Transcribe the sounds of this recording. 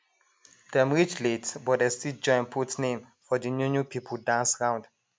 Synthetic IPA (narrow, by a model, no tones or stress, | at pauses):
d̥ɛ̃mɹit͡ʃletsbɔtdɛstid͡ʒɔ̃ɪ̃npʰutnẽm | fɔdənjunjupʰipʰəldãnsɹãʊ̃nd